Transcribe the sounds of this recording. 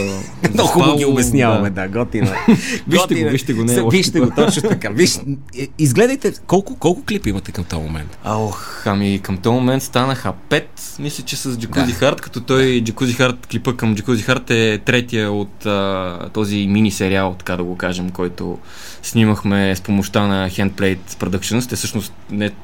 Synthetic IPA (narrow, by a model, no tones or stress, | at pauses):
noxuəlˠɡʲiʊbɛsnjavɐmɛd̪aɡɔt̪inviʃɛɡ̪viʃt̪ɛɡonɛɔviʃt̪ɛot̪ɔt͡ʃnot̪ɐkaviʃ | izɡlɛd̪əjt̪ɛkɔlˠkʊkɔlˠkʊklipimɐt̪ɛkɐmt̪ɔmo̰mɛ̰nt̪aɔx | ɐmikəmt̪ɔmomɛnt̪st̪anəxəpɛt̪ | mislʲət͡ʃɛsəzd͡ʒɐkuzixaɾt̪kɐ̥t̪ɔt̪ɔjd͡ʒɐkuzixaɾt̪klipəkəmd͡ʒikuzixaɾt̪ɛt̪ɾɛt̪ijəot̪əːɔziminisɛɾialˠt̪ɐ̥kad̪ɐɡokaʒɛmkɔjt̪o̰ | sniməxmɛspomoʃt̪anɐxɛnt̪̚plɛjt̪spɾod̪əkt͡ʃɛnost̪ɛsɤʃnost̪nɛ